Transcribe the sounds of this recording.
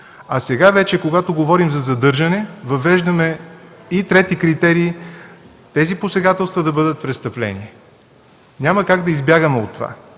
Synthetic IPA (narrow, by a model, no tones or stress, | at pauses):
ɐsɛɡavɛt͡ʃɛkoɡat̪oɡovɔɾimzɐzɐd̪ɤɾʒɐnɛvɐvɛʒd̪əmɛit̪ɾɛt̪ikɾit̪ɛɾiː | t̪ɛziposɛɡat̪ɛlˠst̪vəd̪ɐbɤd̪ət̪̚pɾɛst̪əplɛ̰ni | nʲaməkaɡd̪ɐizbʲjaɡəmɛot̪ːova̰